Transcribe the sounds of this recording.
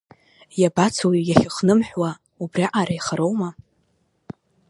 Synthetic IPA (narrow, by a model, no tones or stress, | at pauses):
jabat͡sʰojaχʲɪχnɨmħʷwa | ubriʔaɾajχaɾo̞wma